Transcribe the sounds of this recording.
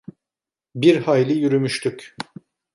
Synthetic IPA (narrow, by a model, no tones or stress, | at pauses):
biɾhajlʲijyɾymyʃt̪ʰyk